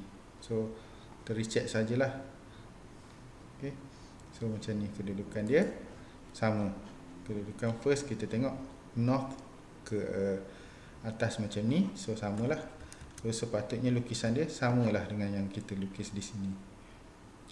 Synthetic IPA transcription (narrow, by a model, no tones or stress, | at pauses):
so | t̪əɾit͡ʃɛt̪̚səad͡ʒəlah | oke | somat͡ʃamnĩkədudukandiə | samə | kədudukanfəs̚kit̪ət̪eŋɔʔ | nɔk | kəʔə | at̪asmat͡ʃamnisosamə̃lahsosəpat̪ʊt̪̚ɲəlukisandiəsaməlahdəŋanjaŋkit̪əlukɪsdisini